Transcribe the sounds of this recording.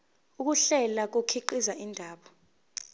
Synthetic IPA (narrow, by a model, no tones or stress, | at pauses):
uk̬uɬɛlak̬okʰiǃizaʔindʱaːɓɔ